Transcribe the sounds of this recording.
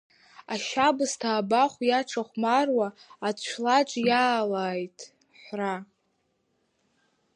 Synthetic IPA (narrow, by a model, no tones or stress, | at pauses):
aʃabɨstʰaːbaχʷjaʈ͡ʂʰaχʷmarwaːt͡ɕʷʰlat͡ʃʷʼjaːlaːjtʼ | ħra